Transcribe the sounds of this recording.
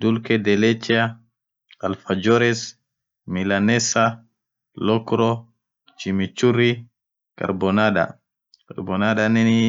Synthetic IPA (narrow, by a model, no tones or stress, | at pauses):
dulkɛdɛlɛt͡ʃia | alfad͡ʒɔɾɛs | milanɛsa | lɔkɾɔ | t͡ʃimit͡ʃuɾi | ka̰ɾbɔnaɗa̰ | ka̰ɾbɔnaɗanɛni